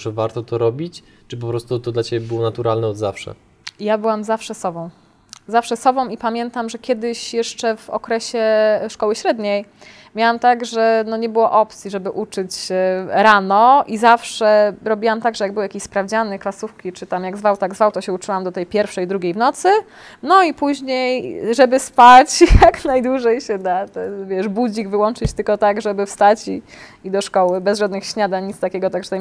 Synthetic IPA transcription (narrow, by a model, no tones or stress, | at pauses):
ʐ̥ɛvaɾt̪ɔt̪ɔɾɔbʲit͡ɕ | t͡ʂɘp̬ɔpɾɔst̪ut̪ɔd̪lat͡ɕebʲɛbɘwɔnat̪uɾalnɛɔd̪zafʂɛ̰ | ijabɘwamzafʂɛsɔbɔ̃w̃ | zafʂɛsɔbɔ̃w̃ipamʲjɛnt̪amʐɛkʲjɛd̪ɘɕjɛʂt͡ʂɛvɔ̰kɾɛɕɛʂkɔwɘɕɾɛd̪ɲej | mʲjawamt̪aɡʐɛnɔɲɛbɘwɔʔɔpt̪sʲjiʐɛbɘʔut͡ʂɘt͡ɕɾanɔʔizafʂɛɾɔbʲiwamt̪aɡʐɛjaɡ̚bɘwjakʲiɕʲspɾavd͡ʑanɘklasufkʲit͡ʂɘt̪amjaɡzvawt̪aɡzvawt̪ɔɕɛut͡ʂɘwamd̪ɔt̪ɛjpʲjɛɾfʂɛjd̪ɾuɡʲejvnɔt̪sɘ | nɔipuʑɲejʐɛbɘspat͡ɕjjaknajd̪wuʐɛjɕɛd̪at̪ɛvʲjɛʂbud͡ʑiɡvɘwɔnt͡ʂɘt͡ɕt̪ɘlkɔt̪aɡʐɛbɘfst̪at͡ɕi | id̪ɔʂkɔwɘbɛzʐad̪nɘxɕɲad̪aɲit̪st̪akʲɛɡɔt̪aɡʐɛt̪a